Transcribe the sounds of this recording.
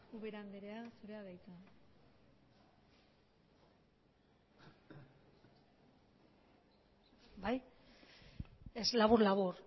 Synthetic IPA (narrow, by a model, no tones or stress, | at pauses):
uβeɾand̪eɾeasuɾe̞aðajt͡s̪u | baj | eslaβuɾlaβuɾ